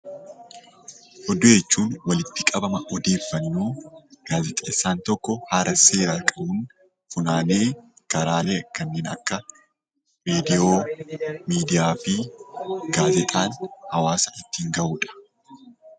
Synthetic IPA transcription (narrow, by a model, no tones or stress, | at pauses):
ʔɔd̪ʊjɛt͡ʃːuːnwɐlɪt̪ːɪkʼɐbɐmɐʔɔd̪e̞ːfːɐnːuːɡ̥aːzɛt̪ʼeːsːaːnt̪ɔkːɔhaːɾɐse̞ːɾaːkʼɐbʊn | fʊnaːne̞ː | kɐɾaːle̞ːkːɐnːeːnɐ̰kːɐ | meːd̪ɪoːmiːd̪ɪjaːfɪ | ɡaːzɛt̪ʼaːnhɐwaːsɐʔɪt̪ːiːŋɡɐʔuːᶑɐ̥